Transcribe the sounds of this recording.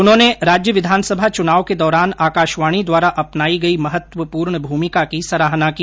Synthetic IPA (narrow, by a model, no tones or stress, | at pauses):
ʊnɦõːneɾaːd͡ʒjəʋɪd̪ʱaːnsɐbʱat͡ʃʊnaːʋked̪ɔːɾaːnaːkaːʃʋaːɽ̃id̪waːɾaʔɐpnaːiɡɐimɐɦət̪ʋəpuːɾɳəbʱuːmɪkakisɐɾaːɦnakiː